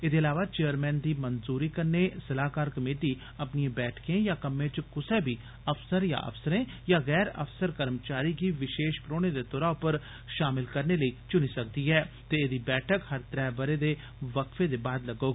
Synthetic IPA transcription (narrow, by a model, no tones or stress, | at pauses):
eːd̪eːəlaːʋaːt͡ʃeːjəɾmɛ̃ːnd̪iːmənzuːɾiːkəɾneːsəlaːkaːɾkəmeːʈiː | əpniẽbɛːʈʰkẽːjaːkəmẽːt͡ʃkʊseːbʱiː | əfsəɾja̰ːʔə̰fsəɾẽːjaːɣɛːɾə̰fsəɾkəɾmt͡ʃaːɾiːkiːʋɪʃeːʃpɾoːned̪eːt̪ɔːɾaːʊpəɾ | ʃaːmɪlkəɾneləit͡ʃʊniːsək̚d̪iːɦɛː | t̪eːeːd̪iːbɛːʈʰəkhəɾt̪əɾɛːbəɾeːd̪eː | ʋəkfẽːd̪eːbaːd̪ləɡoː